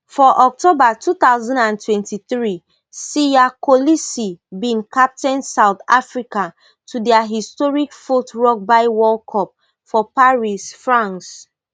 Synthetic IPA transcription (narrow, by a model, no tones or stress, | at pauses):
fɔʔɔk̚tobatut̪aʊzɔ̃ndãntʰwɛ̃ntiθɹi | sijakolisibĩnkap̚tɛ̃nsawt̪afɹika | tʰudɛaɦistɔɹikfutɹɔk̚baɪwɔlkʰɔp̚ | fɔpaɹisfɹãns